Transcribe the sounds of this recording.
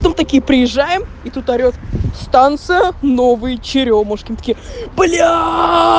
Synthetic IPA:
t̪omt̪ɐkʲijəpɾʲɪjɪʐːajɪmit̪ut̪ɐɾʲot̪st̪ant̪sɨjəno̞vɨjət͡ɕɪɾʲomoʂkʲimt̪ə̥kʲiblʲa

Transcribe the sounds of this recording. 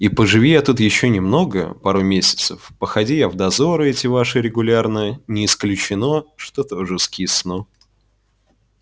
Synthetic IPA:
ipəʐɨvʲijat̪ut̪jɪɕːonʲɪmno̞ɡə̰paɾʊmʲesʲɪ̥t̪səfpəxɐdʲijavd̪ɐzoɾɨɛtʲɪvaʂɨɾʲɪɡʊlʲarnənʲɪːsklʲʉt͡ɕɪno̞ʂt̪ot̪oʐɨskʲisno

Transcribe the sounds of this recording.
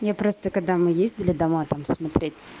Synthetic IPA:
japɾo̞st̪əkɐɡ̚d̪amɨjezʲdʲɪlʲɪd̪ɐmat̪amsmɐt̪ɾʲetʲ

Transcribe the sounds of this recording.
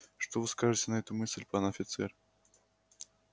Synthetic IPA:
ʂt̪ovɨskaʐɨtʲɪnɐɛt̪ʊmɨsʲlʲpanɐfʲɪt̪sɛr

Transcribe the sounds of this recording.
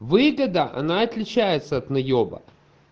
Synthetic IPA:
vɨɡəd̪əʔɐ̰naɐt̪lʲɪt͡ɕæjɪt̪səɐt̪nɐjobə̰

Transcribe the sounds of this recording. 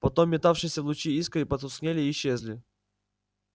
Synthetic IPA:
pɐt̪omʲːɪt̪afʂɨsʲəvlˠʊt͡ɕiiskəipɐt̪ʊsknʲelʲɪːɕːezʲlʲɪ

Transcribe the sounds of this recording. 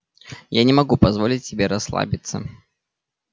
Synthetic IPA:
janʲɪmɐɡupɐzvolʲɪtʲsʲɪbʲeɾɐslˠa̰bʲɪt̪sə̰

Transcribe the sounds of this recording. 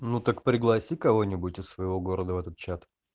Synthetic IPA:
nut̪əkpɾʲɪɡlˠɐsʲikɐvo̞nʲɪbʊtʲɪsːvəɪvo̞ɡo̞ɾəd̪əvɛt̪ət̪̚t͡ɕat̪

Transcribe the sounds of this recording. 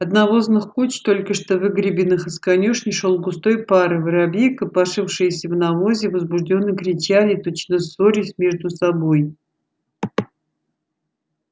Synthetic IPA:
ɐt̪nɐvo̞znɨxkut͡ɕt̪o̞lʲkəʂt̪ovɨɡɾʲɪbʲɪnɨxɨskɐnʲuʂnʲɪʂo̞lˠɡʊst̪o̞jpaɾɨvɨɾɐbʲijkəpɐʂɨfʂɨjəsʲəvnɐvozʲɪvəzbʊʐdʲo̞nːɨkɾʲɪt͡ɕalʲɪt̪o̞t͡ɕnəsvo̞ɾʲɪsʲmʲe̞ʐd̪ʊsɐbo̞j

